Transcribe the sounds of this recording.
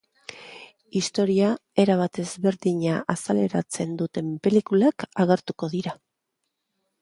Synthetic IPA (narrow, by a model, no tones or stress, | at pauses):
ist̪o̞ɾiae̞ɾaβ̞at̪e̞zβe̞ɾðiɲaʔasale̞ɾat͡se̞nd̪ut̪e̞mpe̞likulakaɣ̞e̞ɾt̪uko̞ðiɾa